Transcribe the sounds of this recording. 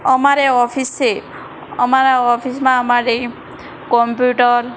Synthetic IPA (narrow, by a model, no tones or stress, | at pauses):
ɔmaɾeɔpʰise | ɔmaɾaɔpʰismãːmaɾe | kɔmpjuʈɔɾ